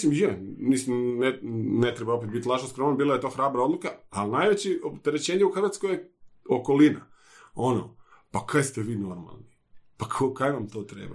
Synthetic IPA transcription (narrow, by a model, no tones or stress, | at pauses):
simjemisimnenet̪ɾebaopet̪bit̪ʲlaʒnaskɾomanabiːlˠaet̪o̞ːxɾaːbɾaod̪lˠukaalnaːjʋet͡ɕiopt̪eɾet͡ɕeːɲeuxr̩ʋaːt̪skojeoko̞lina̰ | o̞no̰ | pakʰajst̪eʋiːno̞ɾma̰lˠni | pakʰokajnamt̪oːt̪ɾḛːba̰